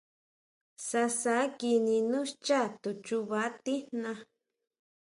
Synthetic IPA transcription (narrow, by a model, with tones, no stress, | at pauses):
sa˧sa˨˦ki˧nĩ˧nũ˦ʃt͡ʃa˦˨t̪u˨t͡ʃu˧βa˨˦t̪i˦nnã˧